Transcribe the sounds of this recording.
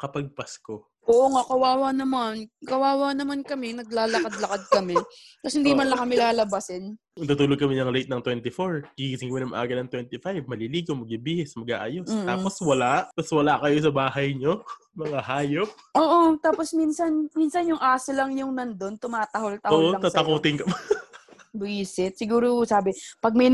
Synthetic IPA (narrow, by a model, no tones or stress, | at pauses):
kɐpɐɡ̚pɐsko | oːʔoŋakɐwaːwanɐmankɐwaːwanɐmankɐmɛnɐɡlaːlɐkad̪lɐkad̪̚kɐmɛ | k̪ɐshɪnd̪imɐnlɐŋkɐmɪlaːlɐbasɛn | ʊt̪ut̪uːloɡ̚kɐmɛnɐŋɾɛjt̪̚nɐŋt̪wɛnt̪ɪfoɹɡ̥ɪiɪsɪŋkɐmɛnɐmɐ̰ʔa̰ːɡɐnɐŋt̪wɛnt̪ɪfajvmɐliliːɡomɐɡ̚ibiːhɛsmɐɡ̚ʔa̰ːʔɐjosːtaːposwɐlaʔt̪ɐswɐlaʔkɐjo̞sɐbaːɦɐjɲo | mɐŋaɦaːjop̚ʔoːʔot̪aːposminsɐnminsɐnjʊŋʔaːsolɐŋjʊŋnɐnd̪o̞nt̪ʊmaːt̪ɐholt̪ɐoːʔoɐtŋaːɐkoːt̪ɪnkɐb | biːsɪt̪̚sɪɡuːɾosaːbɪpɐɡ̚mɐj